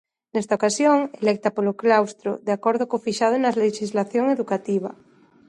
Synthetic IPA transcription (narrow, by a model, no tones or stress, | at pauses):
nɛst̪aokasjoŋelɛk̚t̪apoloklawst̪ɾo̰ðeakoɾðokofiʃað̞onaleʃizlaθjoŋeðukat̪iβ̞a̰